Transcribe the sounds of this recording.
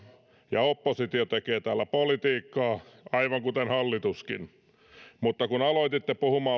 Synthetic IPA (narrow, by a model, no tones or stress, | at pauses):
jɑopːosit̪iot̪ekeːt̪æːlːæpolit̪iːkːɑːɑiʋɑŋkut̪enhɑlːit̪uskin | mut̪ːɑkunɑloit̪it̪ːepuhumɑː